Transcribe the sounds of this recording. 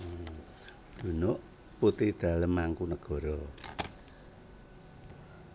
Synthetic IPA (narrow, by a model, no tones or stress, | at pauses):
d̪̥unoʔ | put̪ihd̪̥a̤ləmːaŋkunəɡ̥ɔ̤ɾɔ